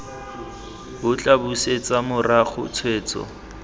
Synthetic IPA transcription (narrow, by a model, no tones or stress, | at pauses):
bʊt͡ɬʼabuset͡sʼamʊraχʰʊ̰t͡sʰweːt͡sɔ̰